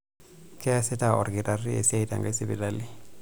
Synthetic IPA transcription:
kɛ˦sɛ˦ta˦ɔ̰˨rɡi˨ta˨ri˦e˨si˦a˦ita̰˨ŋɡa˦i˦si˦bḭ˨dali˦

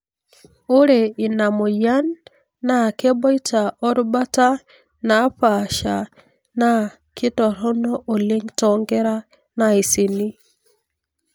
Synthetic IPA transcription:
o˦ɾe˨i˨na˨mo˨ja˦nː | a˦˨ke˦bɔ˦i˦ta˨ɔ˦ɾu˦ba˦ta˦ | na˨˦ɸa˨ʃa˨ | na˦ | ki˦tɔ˨ɾɔ˦nɔ˦ʔo˨le˦ŋtɔŋɡɛ˦ɾa˦ | na˦i˨si˨ni˦

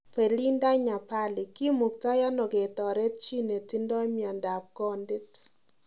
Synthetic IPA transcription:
pe˨li˦nda˦ɲa˨pa˦lɪ˨ki˦mu˨k̚ta˦ja˦nɔ˨ke˨t̪ɔ˨ɾe˦t̚t͡ʃi˦ne˨ti˦ndɔ˦mjɔ˨nda˨p̚ɡɔ˦ndɪ˦t

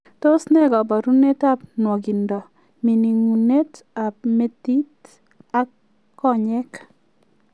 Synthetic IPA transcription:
to˦snɛ˦ɡɔ˨ba˨ɾu˦ne˦ta˦pnwɔ˨ɡi˨ndɔ˨ | mi˨ni˨ŋu˨ne˦t | a˨p̚me˦ti˦t | a˦ | ɔ˦ɲɛ˦k

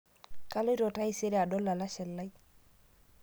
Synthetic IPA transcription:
ka˦lo˦i˦ɾo˨ta˦i˦se˦ɾe˦a˨dɔ˦lːa˨la˦ʃɛ˨lːa˦j

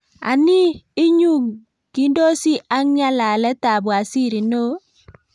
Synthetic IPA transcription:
a̰˨niː˦ɲu˦ | ɡ̥i˦ndo˦si˦ʔa˦ŋɲa˦la˨lɛ˦ta˨bwa˨si˦˨ɾi˨no˦

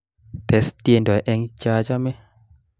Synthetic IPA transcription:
t̪ɛ˨˦sti˦e˦˨ndɔ˨ɛ˨ʔɛ˦ŋt͡ʃa˦d͡ʒa˦mɛ˦

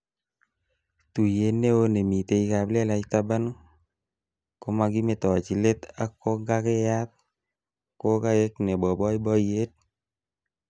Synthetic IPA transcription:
tu˨je˨nːe˦o˦ne˨mi˨t̪e˨i˦ka˨ble˦la˨t͡ʃt̪a˦ba˦nu˦ | ko˦ma˧ɡi˦me˨tɔ˨t͡ʃi˨le˦t̪a˦kːo˦ɡa˦ke˦ja˦t̪̚ | ko˦ka˦ke˦knɛ˨bɔ˨bɔ˦jbɔ˦je˦t̚

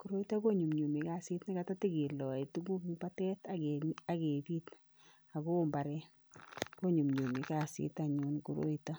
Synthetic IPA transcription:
ku˨ɾo˦i˦ta˦ko˦ɲu˨mɲu˨mi˨ka˦si˦tni˦ka˨ta˦ti˦ɡi˨lɔ˨i˨tu˦ɡu˦kpa˦tɛ˦taɡa˨ke˨biː˦t | a˨ko˦mba˨ɾɛ˦ | ko˦ɲu˨mɲu˨mi˨ka˨sḭ˦taɲu˨nku˨ɾo̰˦ita˦

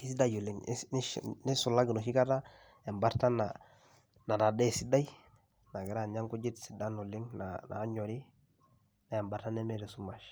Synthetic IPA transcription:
ki˦si˦da˦jo˨li˨ŋnni˦su˨la˦ɡi˨no˨ʃi˦ka˦ta˦ | e˨mba˦ɾta˦na | na˨da˨de˦˨si˦da˦j | na˨ɡi˨ɾa˦˨ɲa˦ŋku˦d͡ʒi˦tsi˨da˦no˨li˦ŋnana̰ː˨˦ɲo˨ɾi˦ | na˨je˨mba˨ɾta˦ne˦me˦ɾe˨su˦ma˨ʃ

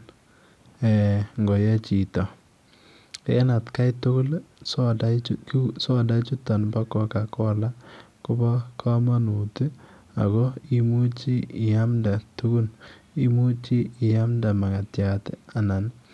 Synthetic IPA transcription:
ɛ˨ŋɡɔ˨jɛ˦t͡ʃi˨tɔ˨ | kḛ˦na˨tka˦jtʊ˦kʊ˦lsɔ˦daksɔ˦da˦t͡ʃu˦ta˨nba˦kɔ˦ka˨kɔ˦la˦ku˦bɔ˦kʰa˦ma˦nu˨ti˦ | a̰˨kɔ˦i˦mu˦t͡ʃi˦ɪ˨ja˦mda˨tu˦ɡu˦ni˦mu˦t͡ʃi˦ɪ˨ja˦mda˨ma˨ka˨tja˨ta˨na˨n

